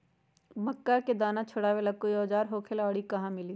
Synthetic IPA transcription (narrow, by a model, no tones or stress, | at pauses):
mɐkːaked̪aːnãt͡ʃʰʊɽaːwelɐkːojɔːd͡ʒaːɾɦoːkʰelɔːɽikɐɦãmɪliː